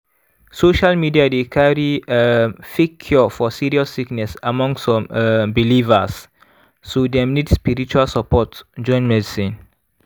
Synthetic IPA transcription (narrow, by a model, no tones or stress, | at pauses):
soʃalmidiadekʰaɹi | fikʰːjɔfɔsiɹiɔsːiknɛsamɔ̃ŋsɔ̃mbilivəs | sodɛmnidspiɾit͡ʃualsəpɔtd͡ʒɔ̃ɪ̃nmɛdisĩn